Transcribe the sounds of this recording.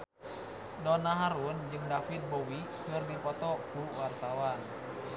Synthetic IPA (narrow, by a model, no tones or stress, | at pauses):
dɔnaɦaɾund͡ʒɨŋdafit̪̚bowikɨrdipɔt̪ɔkuwart̪awan